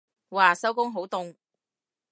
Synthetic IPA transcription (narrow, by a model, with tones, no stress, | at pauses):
waː˨˩sɐ˥wkʊ˥ŋɦo˨˥wt̪ʊ˧ŋ